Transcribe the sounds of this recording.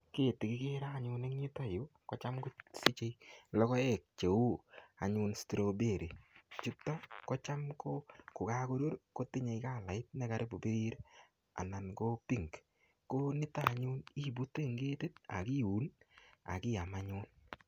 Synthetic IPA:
ke˦˨ti˨kɪ˦ke˦ɾaː˦˨ɲʊ˧ne˦kɲi˦tɔ˦jo˦kɔ˦t͡ʃa˦mko˦si˦t͡ʃe˦lɔ˦kɔ˦e˦˨k̚t͡ʃe˨u˦a̰˨ɲʊ˧nstɾo˨be˦˨ɾe˨t͡ʃu˦tːɔ˦kɔ˦t͡ʃa˦mko˦kʊ˨ka˦ko˦ɾo˦ɾko˦ti˦ɲe˨jka˦˨la˨ɪ˦t̚ne˦ka˨ɾʔe˦bo˨pe˦ɾi˦ɾ | a̰˨na˨nko˦pi˦˨ŋk | ko˦nɪ˦ta˦˨ɲu˦ni˦˨bu˦te˦˨ŋɡe˦te˦t̚a̰˨ki˦u˨˦na̰˨kɪ˦ja˨ma˦ɲʊ˦n

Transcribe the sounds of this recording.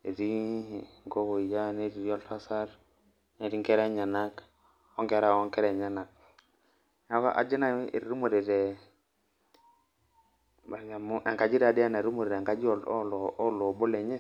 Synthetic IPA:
e˨ɾi˦ŋɡo˦ɡo˨ja˦ne˦ɾi˨˦ɔ˦lta˦sa˦ɾ | ne˨ɾi˦ŋkɛ˦ɾɛ˦ɲa˨na˦k | ɔ˦ŋkɛ˦ɾa˨ɔ˦ŋkɛ˦ɾɛ˨ɲa˦na˨k̚ | a˦ka˦ʔa̰˨d͡ʒi˦na˦ḛ˨ɾɾu˦mo˨ɾe˨ɾɛ˨ | ba˨ja˨mu˦ʔɛ˨ŋka˨d͡ʒi˦ɾa˨di˦a˦na˨ɾu˦mo˨ɾe˨ɾŋka˦d͡ʒi˦ɔ˨llɔ˨˦lo˨bo˦le˨ɲe˦

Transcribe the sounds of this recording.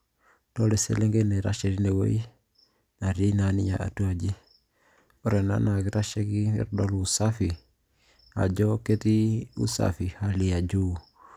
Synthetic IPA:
d̥ɔ˦le˨sḛ˨le˦ŋɡe˦ne˨ɾa̰˦ʃe˨ɾi˦ne˨wo̰˦i˦ | na˨ɾi˦na˨ni˦ɲa˨ʔa̰˨tu˦a˨d͡ʒi˦ | ɔ˦ɾɛ˨na̰˦na˨ɡi˦ɾa˦ʃe˦ɡi˦ḛ˦ɾdɔ˦lusa˦fi˨ | ha̰˨d͡ʒɔke˦ti˦ṵ˦sa̰fi˨hali˨a˨d͡ʒu˦

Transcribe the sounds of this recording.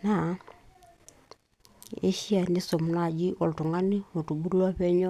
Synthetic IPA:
na˨˦ | ḛ˦ʃi˦a˨ni˦so˨m˨na˨d͡ʒi˦ʔɔ˨ltu˨ŋa˦ni˦o˨tu˨ɡu˦ɾla˦pɛ˦ɲɔ˦

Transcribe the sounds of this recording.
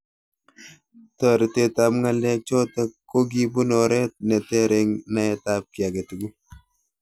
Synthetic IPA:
tɔ˨ɾte˨ta˨mŋa˦lɛ˦k̚t͡ʃɔ˦ta˦kːo˦ɡi˦bu˦nɔ˨ɾɛ˦t̚nɛ˨tɛ˦ɾe˨ŋna˦ɛ˦tap̚ki˨a˨ɡe˨tu˨ɡu˦

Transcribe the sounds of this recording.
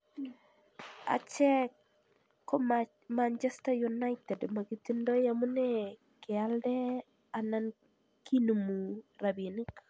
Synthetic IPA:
a̰˨t͡ʃɛ˦ | o˦ | mant͡ʃɛstajuna˦ɪtɛ˨dma˨ɡi˨ti˦ndɔ˦jamu˦nɛ | kɪ˨aldɛ˦ | a˨na˦n | ki˦nu˨mu˨ra˨bie˨ni˦k

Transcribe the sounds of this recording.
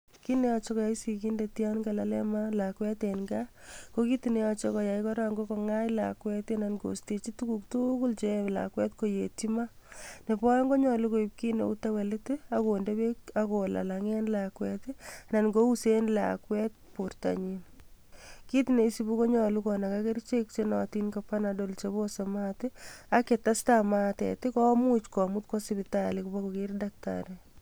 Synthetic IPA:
ki˦ne˦ɔ˨t͡ʃɔ˦kɔ˨ja˨i˦si˨ki˦ndetja˦nɡa˨la˨lɛ˦ma˦la˨kwɛ˦tenŋɡako˦ki˦tine˦ɔ˨t͡ʃɔkɔ˨ja˨ikɔ˦ɾa˦ŋɡo˦kɔ˨ŋa˦jla̰kwɛ˦tena˨nɡo̰˨ste˨t͡ʃi˦tu˦ku˨k̚tukʊ˦lt͡ʃe˦la̰kwɛ˦tko˨je˨ti˦mane˨pɔ˦jɔ˦ŋɡo˦ɲɔ˨luko˨ip̚ki˦nḛ˨u˦ta˦wɛ˨lɪ˦tɪako˨nde˦be˦kako˨la̰˨laŋɛ˦nlakwɛtɪna˨nɡo˦u˦senlaa̰˨kwɛt̚puɾta̰ɲin | ki˦tne˨i˦si˨bu˦ko˦ɲɔlukɔna˨kake˦ɾt͡ʃek̚t͡ʃenɔ˨tinkapːanadolt͡ʃebosemaːtɪa˦ke˨ta˦stama˦tḛtɪkɔmu˦t͡ʃkɔ˨mut̚ko˦sibɪtalikuba˦kokiɾdak̚ta̰ɾe

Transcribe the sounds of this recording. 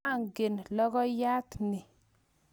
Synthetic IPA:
a˦ŋɡɪ˨nlɔ˦ɡɔ˦ja˦t̪nɪ˨

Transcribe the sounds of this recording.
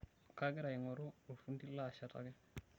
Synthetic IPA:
ka˦ɡɪ˦ɾa˨jɪ˨ŋɔ˨ɾo˦o˨fu˦ndi˦la˦˨ʃa˦ta̰˨ɡɛ˦

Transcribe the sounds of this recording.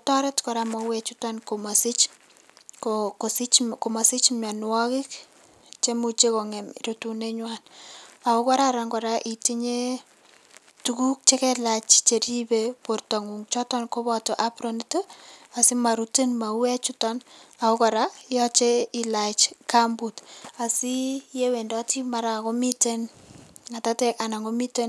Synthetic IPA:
tɔ˦ɾɛ˦tkɔɾama˨wɛt͡ʃu˦tɔ˦nko˨ma˨si˦t͡ʃ | kokosi˦t͡ʃko˨ma˨si˦t͡ʃmja˨nwɔ˦kɪ˦k | t͡ʃe˦mut͡ʃe˦ko˨ŋɛ˨mɾotu˨ne˦ɲwana˨o˦kɔ˦ɾa˦ɾa˨ŋɡɔ˨ɾaʔi˨ti˦ɲe˦ | tuku˦k̚t͡ʃe˦kɛ˦la˨t͡ʃt͡ʃe˨ɾi˦bepo˨rtɔ˨ŋu˨ŋt͡ʃɔ˦tɔ˦nko˦bɔ˦to˨ʔa˦pɾo˨ni˦to˦a˨si˦ma˨ɾute˦nma˨wɛ˦t͡ʃu˦tɔ˦na˨o˦kɔ˨ɾa˦jɔ˦t͡ʃe˦i˨la˨t͡ʃka˦mbu˨ta˨si˦je˦we˨ndɔ˦ti˦ma˨ɾa˨ko˦mi˦te˦nŋa˨ta˦tɛ˦ka˨na˨ŋo˦mi˦te˦n

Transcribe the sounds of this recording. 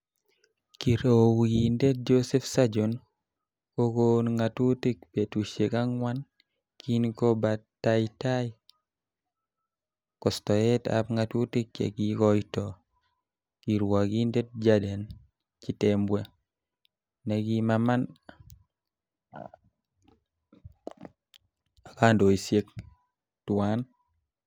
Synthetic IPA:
ki˨ɾowi˨nde˦t̚d͡ʒo˦se˦fsa˦d͡ʒo˨n | ko˦konŋa˨tu˦te˦k̚pe˨tu˨ʃe˨ka˦ŋwa˦n | ki˦nko˦ba˨taita˦j | kɔ˨stɔ˨ɛ˦ta̰pŋatu˦ti˦k̚t͡ʃḛ˨ɡikɔ˦jtɔ˨ | ki˨ɾwa˨ɡi˦nde˦t̚d͡ʒa˦de˨n | t͡ʃi˨tembwe˦ | nɛ˨ɡi˦mama˦n | a˨ka˦ndo˨i˨sje˦k̚ | twa˦n

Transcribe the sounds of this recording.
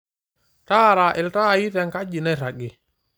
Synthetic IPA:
taː˦ɾa˨ʔɪ˨lta˦˨ji˦θɛ˨ŋka˦d͡ʒi˨nɛ˦ɾa˨ɡɪ˨

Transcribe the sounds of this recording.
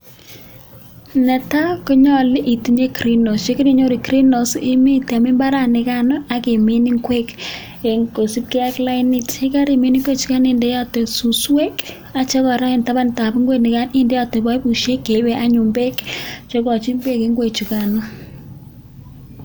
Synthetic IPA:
nɛ˨ta˦kɔ˦ɲɔ˦lɪ˦ʔi˨ti˨ɲe˦kɾi˦no˨st͡ʃe˦ki˦ɾi˨ɲo˦ɾi˨kɾi˦no˨sɪ˦mi˦tɛ˨mi˦mba˦ɾa˨nɪ˨ka˦nɔ˦a˨ke˨mi˦ni˦ŋkwe˦k | e˨ŋko˨si˦p̚kɛ˦a˦kla˦ɪni˦te˦ka˦ɾi˨mi˨˦ni˦ŋɡwe˦t͡ʃu˨ka˦nɪ˦˨ndɛ˦ja˦te˨su˨swe˦k | a˨t͡ʃe˦kɔ˨ɾa˦ɪ˨nta˦ba˦nta˨pi˦ŋɡwe˦nɪ˨ka˦nɪ˦ndɛ˦ja˦˨te˨ba˦i˦bu˨ʃe˦kːe˨˦bɛ˨ʔa˦ɲu˨mbe˦kt͡ʃɔ˦kɔ˨t͡ʃi˦mbe˦kɪ˦ŋɡwe˨t͡ʃu˨ka˨nɔ˦

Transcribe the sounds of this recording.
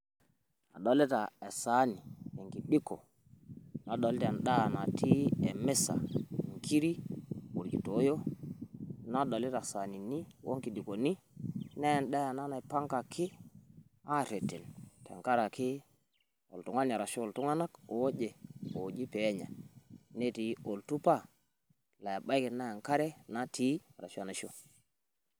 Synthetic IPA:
a˨ɗo˨lɛ˦ta˨e˨sa˨˦ni˨e˨ŋki˨ɗi˦ko˨ | na˨ɗo˨ltɛ˨nɗa˦a˨na˨tʰi˦ɛ˨mɛ˦sa̰˨ŋkʰi˦ɾi˦wu˨ɾɡi˨to˨˦jo˦ | na˦ɗo˨lɛ˦ta˨sa˨ni˨ni˦wo˦ŋki˨ɗi˨ko˨ni˦ | nɛ˦˨nɗa˦ja˨na˦na˨ɛ˨pa˦ŋka˨kʰi˦ | a˦ɾe˨tːe˨ntḛ˨ŋka˦ɾa˨ki˦ | o̰˨ltu˨ŋa˦n˨a˨ɾa˨ʃo˦o˨ltu˦ŋa˦na˦ko˨˦d͡ʒe˨o˨d͡ʒi˦pɛ˨˦ɲa̰˨ne˦ti˨˦o˨ltu˦pa˦˨ | la˨ja˨ba˦jki˨na˦ja˨ŋka˦ɾɛ˦na˦ti˦˨ɾa̰˨ʃa˨na˨ʃi˦o˦

